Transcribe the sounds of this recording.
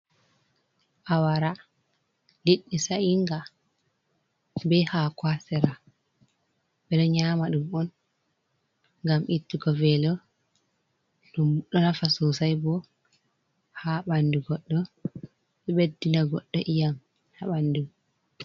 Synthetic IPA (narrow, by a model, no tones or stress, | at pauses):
ʔawaɾa | liɗːisaiŋɡa | bɛhakwasɛɾa | ɓɛɗɔɲaːmaɗumɔn | ŋɡamʔitːikɔvɛlɔ | ɗumuɗɔnafasosajbɔ | haɓanduɡɔɗːɔ | ɓɛɓedːinaɡɔɗːɔʔijam | haɓandum